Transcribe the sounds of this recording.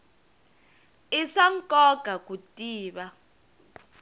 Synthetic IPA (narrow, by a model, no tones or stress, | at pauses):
iʂaŋ̩kʼɔɡ̥ʱakutʼiːɓa